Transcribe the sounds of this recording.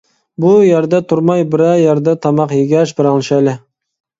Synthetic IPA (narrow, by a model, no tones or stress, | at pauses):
bujɛɾd̪ɛt̪ʰʊɾmɑjbɪɾɛjæɾd̪ɛt̪ʰɑmɑqjeɡʲæʃbɪɾɑŋlˠɨʃɑlɪ